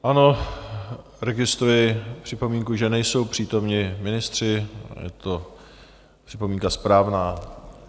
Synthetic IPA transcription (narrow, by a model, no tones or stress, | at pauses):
ʔano̞ | ɾɛɡɪst̪ujɪpr̥ɪpo̞miːŋkuʒɛnɛjso̞wpr̝̥iːt̪o̞mɲɪmɪnɪst̪r̝̥ɪjɛ̰t̪o | pr̝̥ɪpo̞miːŋkaspɾaːvnaː